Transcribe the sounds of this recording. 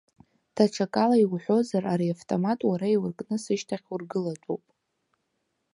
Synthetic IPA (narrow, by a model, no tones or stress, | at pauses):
tʰaʈ͡ʂʰakʼalaiwħʷo̞zaraɾiaftʼomatʼwaɾaiwrkʼnɨsɨʃtʰaχʲurɡɨlatʷʼowpʼ